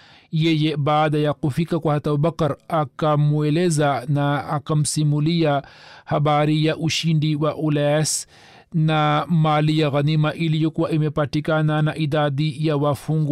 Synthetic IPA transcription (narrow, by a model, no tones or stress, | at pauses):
jɛjɛɓaːɗajakufikakwahatauɓakaɾakamuɛlɛzanaakam̩simuliahaɓaɾijaʔuʃindiwaʔulas | namalijaɣanimaʔilijɔkuwaʔimɛpatikananaʔiɗaɗijawafuŋɡ